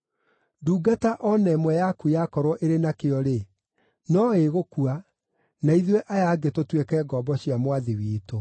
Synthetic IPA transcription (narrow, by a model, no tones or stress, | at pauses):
duːɡataʔɔnɛmwɛjakujakɔɾwɔʔeɾenakeɔɾe | nɔeɣokua | naiðweʔajaːɡetotwekɛːɡɔbɔɕiamwaðewiːto